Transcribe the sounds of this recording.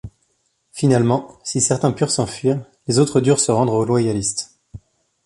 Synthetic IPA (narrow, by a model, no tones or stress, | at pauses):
finalmɑ̃sisɛʁt̪ɛ̃pyʁsɑ̃fɥiːʁlezot̪χəd̪yʁsəʁɑ̃d̪ʁolwajalist̪